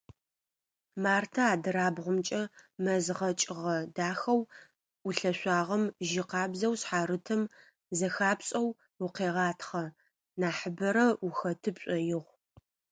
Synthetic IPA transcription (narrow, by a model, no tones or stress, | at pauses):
maːrtʰɐaːdɨɾaːbʁʷʊmt͡ʃʼɐmɐzʁɐt͡ʃʼɪʁɐdaːxɐw | uɬɐɕʷɑːʁɐmʒɪqɑːbzɐwɕħaːɾɨtʰɐm | zɐxaːpɕʼɐw | ʊqeːʁɑːtʰχɐ | naːħəbɐɾɐuxɐtʰɨpɕʷʼɔjɪʁʷ